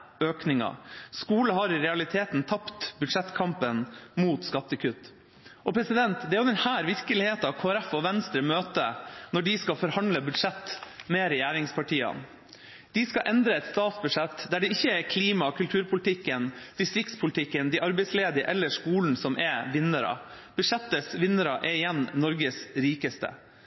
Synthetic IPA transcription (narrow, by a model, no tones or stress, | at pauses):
øːknɪŋɑ̰skuːləɦɑɾɪɾɛɑlɪt̪ʰeːt̪nt̪ʰɑpt̪bʉd̪ʂɛt̪ːkʰɑmpənmuːt̪skɑt̪ːəkʰʉt̪ː | ʔɔpʰɾɛsɪd̪ɛnt̪d̪ɛæɾjʊd̪ɛnhæːɾʋɪɾkəlɪheːt̪ɑʋkʰoːæɾɛfɔʋɛnst̪ɾəmøːt̪ənɔɖɪskɑfɔɾhɑnləbʉd̪ʂɛt̪ːmɛɾɛjæːɾɪŋspʰɑʈʰiːɑ̰n | d̪̥ɪskɑʔɛnd̪ɾəɛt̪st̪ɑːt̪sbʉʂɛt̪ːd̪æɖɛɪçːəɛɾkʰliːmɑkʰʉlt̪ʰʉːɾpʰʊlt̪ʰɪkːənd̪̥ɪst̪ɾɪkt̪spʰʊlɪt̪ʰɪkːənd̪ɪʔɑɾbɛɪsleːd̪ɪəʔɛlːəʂkuːln̩sɔmʔɛʋɪnːəɾɑ̰b̥ʉʂɛt̪ːəsʋɪnːəɾɑʔɛɪjɛnnɔɾɡəsɾiːkəst̪ə̰